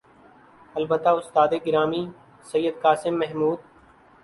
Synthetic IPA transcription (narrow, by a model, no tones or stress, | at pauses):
ɐlbət̪ːaːʊst̪aːd̪eːɡɪɾaːmiː | səjːəd̪kaːsɪmːɛɦmuːd̪̚